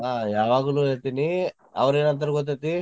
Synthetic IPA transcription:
ɦaːjaːʋaːɡɐlueːɾt̪ini | ɐ̰ʋɐɾeːnɐnt̪̬ɐɾɐɡɔt̪̬ːet̪i

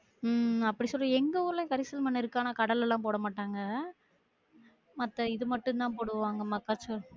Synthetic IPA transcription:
ɐpːɐɽisɔlːɐɛŋɡɐʊɾlɐ̃kɐɾɪsɐlmɐnːɪɾɯkːaːnɐkɐɽɐlɛlːãːpoːɽɐmaːʈːaːŋɡɐ | mɐt̪ːɐɪðɯmɐʈːɯ̃nt̪ãːpoːɽɯʋaːŋɡɐmɐkːaːt͡ʃːɯ

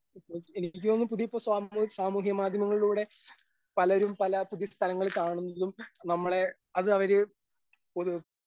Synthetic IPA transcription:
ipːoenikʲːimonːɨpuðijpːoːsaːusaːmuːɦjɐmaːd̪ʱjɐmɐŋːɐɭiɭuːɽe̞ | pɐlɐoɾumpɐlɐpuðist̪ʰɐɾɐŋːɐɭkaːɳunːɐðumnɐmːɐɭe̞ | ɐðɨɐʋɐɾɨ | poðu

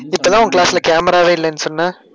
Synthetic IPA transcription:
ɪp̪ːɐlːãːʊŋːkɪɭaːsɪlɐkaːmɐɾaːʋeːɪlːɛnːɯsɔnːaː

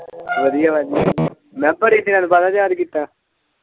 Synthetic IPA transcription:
ʋəd̪ɪjaːʋəd̪ɪjaː | mɛ̃ːbəɽiːsenãːnũbaːd̪aːd͡ʒaːd̪kiːt̪ːaː

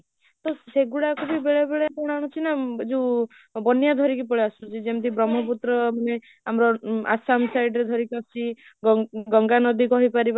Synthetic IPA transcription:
t̪ɔseɡuɽakʰubibeɭebeɭepɔɽ̃añut͡ʃʰinad͡ʒe | bɔnjad̪ʱɔɾikipɔɭeasũt͡ʃʰid͡ʒemt̪ibɾɔmɔp̬ut̪ɾɔmane | amɾɔa̰samsajɖɾed̪ʱɔɾikɔsi | ɡɡɔŋɡanɔd̪ikɔɦipaɾiba

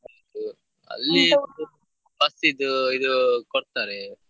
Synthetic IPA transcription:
ad̪u | ɐ̰lːiɐnd̪u | bɐsid̪uid̪ukɔɽt̪aːɾe

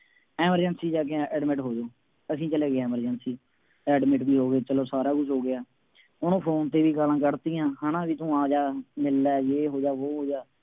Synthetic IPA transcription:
ɛːməɾd͡ʒənsiːd͡ʒaːk̬eãɛːɖmɪʈɦoːd͡ʒoː | əsĩːt͡ʃəleːɡeaːɪːməɾd͡ʒənsiː | ɛːɖmɪʈbiːɦoːɡeːt͡ʃəloːsaːɾaːkʊt͡ʃʰɦoːɡɪaː | ʊnõːpʰoːnt̪eːʋiːkaːlãːkəɾt̪iːjãːɦaːnãːʋiːt̪ũːaːd͡ʒaːmɪlːɛːjeːɦoːd͡ʒaːɦoːɦoːd͡ʒaː

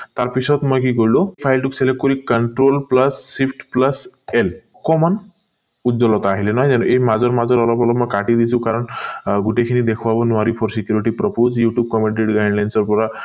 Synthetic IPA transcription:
t̪aɾpisʰɔt̪mɔjk̬ikɔɾlɔpʰajlʈukselek̚ːkɔɾikəɳʈɾolpləsːipʰʈpləsel | kɔmɔn | ud͡zɔlɔt̪ɔaɦilenajd͡zanuʔeɦimad͡zɔɾmad͡zɔɾɔlɔpɔlɔmɔjkaʈid̪it͡sʰũkaɾɔɳɡuʈekʰinid̪ekʰɔbabɔnuaɾipʰɔɾsikjuɾiʈipɾɔpod͡zjuʈjub̚kɔmeɳʈeɖɡajɖlajnsɔɾpɔɾa

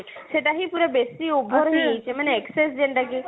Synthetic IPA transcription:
ʃeʈaɦipuɾebest̪iubʱoɾɦijt͡ʃemaneeksesd͡ʒenʈ̪aki

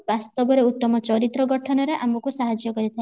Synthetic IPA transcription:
bast̪ɔbɔɾeut̪ːɔmɔt͡ʃɔɾit̪ɾɔɡɔʈʰɔnɔɾeʔamɔkusaɦad͡ʒjɔkɔɾit̪ʰa

